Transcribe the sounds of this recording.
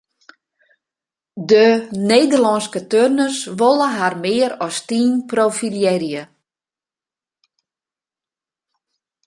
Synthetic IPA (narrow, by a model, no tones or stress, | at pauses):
dəneːdərlɔnskətørnəsʋolˠəɦarmɪːəɾɔstiːnproːfiljɛɾjə